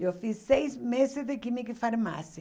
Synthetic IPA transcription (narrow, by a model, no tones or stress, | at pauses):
ewfisːejzmesɪzd̪ɪkimɪkɪfaɾma̰sjɪ